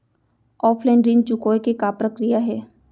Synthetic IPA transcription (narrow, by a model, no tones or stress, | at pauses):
ɔːpʰlɛːnɾint͡ʃʊkoːekekaːpɾəkɾijaɦɛː